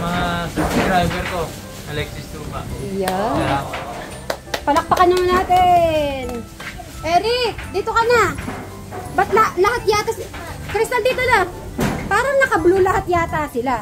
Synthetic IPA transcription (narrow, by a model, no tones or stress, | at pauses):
mɐŋasɛtid̪ɾajvɛɾko | ʔɐlɛksɪsd̪uːpaja | pɐlɐk̚pɐkɐnɐmɐnaːt̪ɛn | ʔɛːɾɪk̚d̪iːt̪o̞kɐna | bɐt̪̚lɐlɐhat̪̚jaːt̪ɐs | kɾɪst̪ɐnd̪iːt̪ona | paːɾɐŋnɐkɐblulɐhat̪̚jaːt̪asɪla